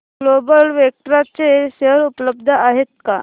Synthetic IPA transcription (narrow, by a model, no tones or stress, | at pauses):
lobəlʋək̚ʈəɾat͡seseɾupləb̚d̪ʱəaɦet̪̚ka